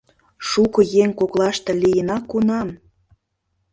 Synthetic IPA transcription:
ʃukɤ̆jeŋkoklɑʃt̪ɤ̆lijənɑkːunɑm

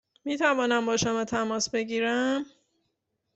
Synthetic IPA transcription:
miːt̪ʰævɒːnæmbɒːʃomɒːt̪ʰæmɒːsbe̞ɟiːɾæm

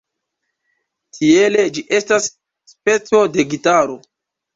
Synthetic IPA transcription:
tʰie̞le̞d͡ʒiʔe̞stasː | pe̞t͡so̞de̞ɡitaɾo̞

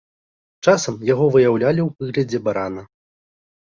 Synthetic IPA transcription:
t͡ʂasɐmjaɣɔvɨjawlʲalʲiwpɨɣlʲɐd͡zʲɛbaɾanɐ

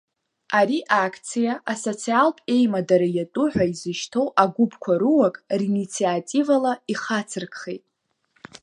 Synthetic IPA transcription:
aɾiʔakʰt͡sʰijaʔaso̞t͡sʰialkʼe̞jmadaɾajatʼʊħʷaizɨʃtʰo̞wʔaɡʷubkʷʰaɾɨwakʼrinit͡sʰiatʼivalaiχat͡sʰɨrkʰʼχejtʼ

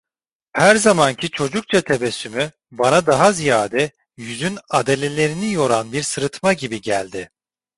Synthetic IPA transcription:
hæɾzamancʰit͡ʃʰo̞d͡ʒuk̚t͡ʃʰat̪ʰebesymy | banad̪aɦazijaːd̪ɛ | jyzynad̪e̞lʲe̞lʲe̞ɾinijo̞ɾanbiɾsɯɾɯt̪maɟibiɟælʲd̪ɪ

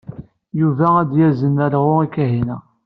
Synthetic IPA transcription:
juvææd̪jæzənːæɾʁʊikæɦinæ

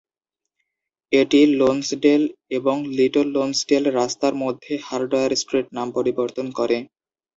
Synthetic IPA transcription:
eʈilonsɖeleboŋliʈolːonsɖelɾast̪aɾmod̪ʱːehaɾɖojaɾsʈɾeʈ̚nampoɾiboɾt̪onkɔɾe

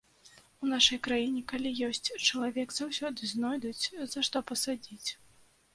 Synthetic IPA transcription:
unaʂɐjkɾajinʲɛkalʲijɔsʲt͡sʲt͡ʂɐlˠavʲɛkzawsʲɔd̪ɨznɔjd̪ut͡sʲzɐʂt̪ɔpɐsad͡zʲit͡sʲ

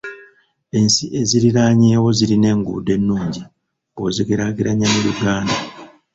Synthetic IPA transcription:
e̞nsiʔe̞ziɾiɾaːɲewo̞ziɾine̞ŋɡṵde̞nːuːɲɟi | oziɡeɾaɡiɾaɲamulukaːna

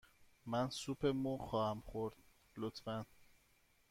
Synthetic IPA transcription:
mænsuːpʰemuːxɒːhæmχoɾd̪̥̚ | lot̪ʰfæn

